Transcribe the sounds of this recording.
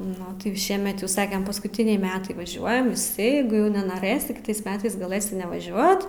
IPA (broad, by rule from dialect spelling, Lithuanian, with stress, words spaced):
ˈnʊ tʲɪ jɛʊ ˈʃʲiɛmʲɛt jɛʊ ˈsɑːkʲɛm pɐskʊˈtʲɪnʲɛɪ ˈmʲæːtɐɪ ʋɐˈʒʲuɔjɛm ˈjɛɪɡʊ jɛʊ nʲɛnoːˈrɘsʲɪ kʲɪˈtɐɪs ˈmʲæːtɐɪs ɡɐˈlˠɘsʲɪ nʲɛʋɐˈʒʲuɔt